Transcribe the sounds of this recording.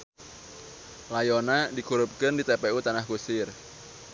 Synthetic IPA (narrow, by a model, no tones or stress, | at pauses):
lajonadikuɾʊp̚kəndit̪epeut̪anahkusɪr